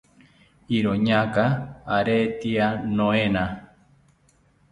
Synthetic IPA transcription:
iɾoɲakaːɾet̪ianõena

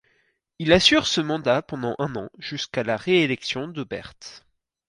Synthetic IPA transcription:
ilasyʁsəmɑ̃d̪apɑ̃d̪ɑ̃ʔɛ̃nɑ̃ʒyskalaʁeelɛksjɔ̃d̪əbɛ̰ʁt̪

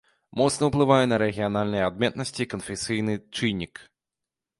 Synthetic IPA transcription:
mɔt̪snɐwplˠɨvajɛnɐɾɛɣʲijanalʲnɨjɛad̪̚mʲɛt̪nɐsʲt͡sʲiːkɐnfʲɛsʲɨjnɨt͡ʂɨnʲːik

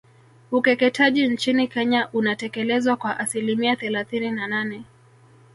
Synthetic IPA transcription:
ukɛkɛtʰaʄin̩t͡ʃinikɛɲaʔunatɛkɛlɛzwakwaʔasilimiaθɛlaθininananɛ

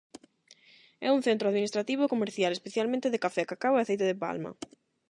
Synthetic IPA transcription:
ɛ̰uŋθent̪ɾʊaðminist̪ɾat̪iβ̞okomeɾθjalespeθjalmẽnt̪eðekafɛkakaweaθejt̪eðepa̰lmɐ̰

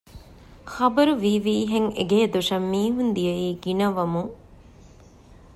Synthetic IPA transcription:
xɐbɐɾuʋiːʋiːɦeŋḛɡeːd̪oʂɐmːiːɦund̪ijɐiːɡinɐʋɐmu

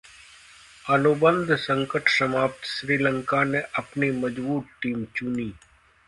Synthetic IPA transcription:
ɐlubə̃nd̪ʱsə̃ŋkəʈʰsɐmaːp̚t̪ʃɾiːlə̃ŋkaneʔɐpnimɐd͡ʒbuːʈ̪ʈiːmt͡ʃuniː

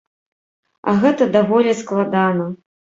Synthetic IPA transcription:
ɐ̰ɣɛt̪ɐd̪avɔlʲisklˠad̪anɐ

